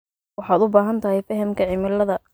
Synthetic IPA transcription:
wɑħɑːd̪ʊbaːɦɐnt̪ʰɐɦɛjfɐɦɐmkʰɐʕɪmɪlɐðɐ

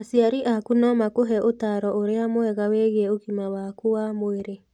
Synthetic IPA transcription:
asiaɾiʔakunɔmakoɦɛʔotaɾɔoɾeamoɛɣaweɣɛoɣimawakuwamoeɾe

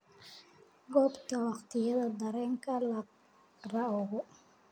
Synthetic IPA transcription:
ɡɔːbt̪ʰɐwɑqt̪ʰɪjɐðɐd̪ɐɾɛːŋkʰɐlɐ | rɐʊɣʊ

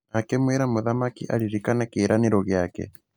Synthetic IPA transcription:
akɛmweɾamoðamakiʔa̰ɾiɾikanakeːɾʔaneɾɔɣjakɛ̰

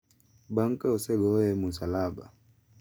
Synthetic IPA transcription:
baŋ̩kaɔsɛɡɔjɛmusalaba̰

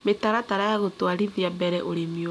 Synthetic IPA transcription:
metaɾataɾajaɣotwaɾiðiabɛɾɛʔoɾemio

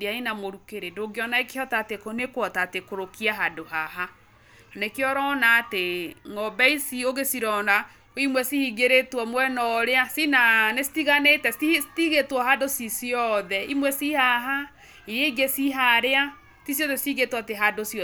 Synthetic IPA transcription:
dainamoɾukeɾendoɡeɔnaekehɔtaːtekonekwɔtatekoɾokiaɦadohaɦa | nekeɔɾɔːnaːteŋɔbɛisioɣesiɾɔna | imwɛsihiɡeɾetwɔmwɛnɔɾeasinanesi̥tiɣanetɛistiɣetwɔhadosisiɔðɛimwɛsihaɦa | iɾeiɡesiɦaɾea | tisjɔðɛsiɣetwateɦadosɔ

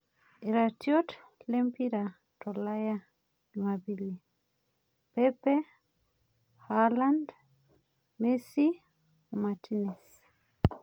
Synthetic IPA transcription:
iɾatjɔt | lɛmpiɾa | tɔlaja | imabili | pɛpɛ | haland | mesi | umatinɛs

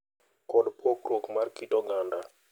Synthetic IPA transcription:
kɔɗpʰokɾokmarkitɔɡanda

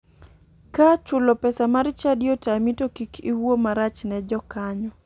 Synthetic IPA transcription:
kat͡ʃʊlɔpɛsamaɾt͡ʃadijotamitokikiwomaɾat͡ʃnɛd͡ʒɔkaɲɔ

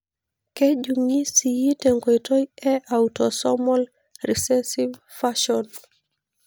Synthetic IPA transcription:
ked͡ʒuŋisijitɛŋɡɔjtojɛʔautɔsɔmɔl | risɛsiv | faʃɔn

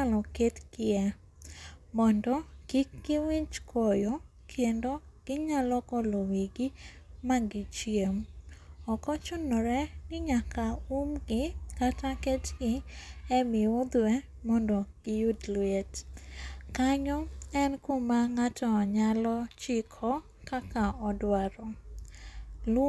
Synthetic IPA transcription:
alɔketɡɪɛ | mɔndɔɡ̥iɡɪwit͡ʃkʰɔjɔ | kʰendo | ɡ̥ɪɲalɔkɔlowiɡi | maɡɪt͡ʃjemɔkɔt͡ʃʊnɔɾɛnɪɲakaumɡɪkatakɛtɡɪɛmɪʊd̪wɛ | mɔndɔɡ̥ɪjudlwet | kaɲɔɛnkomaŋatʰɔɲalɔt͡ʃɪkʰɔ | kakaɔdwaɾɔ | l

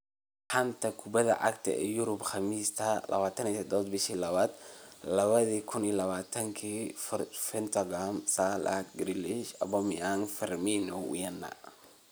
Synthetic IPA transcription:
ħɐnt̪ʰɐkʰʊbɐðɐ̰ʕɑ̰kt̪ʰɐ̰ɛ̰jʊɾʊbxɑmiːst̪ʰɐlʔɐ̰βaːt̪ʰɐnid̪ɔːd̪bɪʃiːlɐβaːd̪lɐβɐðikʰʊnilɐβaːt̪ʰɐŋkʰiːfɪnt̪ʰɐɡamsalʔa̰t̪ɡɾilɪʃɐbɔmɪjaŋfɪrminɔwḭjɐnːɐ̰

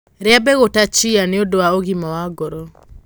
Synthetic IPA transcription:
ɾeabɛɣotat͡ʃianeodowaoɣimawaɡɔɾɔ

